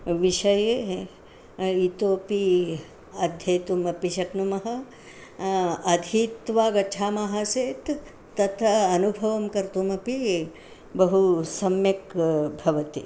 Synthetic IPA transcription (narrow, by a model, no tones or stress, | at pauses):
ʋiʃɐje | it̪oːpi | ɐd̪ʱjeːt̪umɐpiʃɐknumɐɦɐ̆ | ɐd̪ʱit̪ʋaːɡɐt͡ʃʰaːmaɦaseːt̪ː | ɐt̪ʰɐɐnubʱɐʋɐmkɐɾt̪umɐpi | bɐɦusɐmjɐkbʱɐʋɐt̪i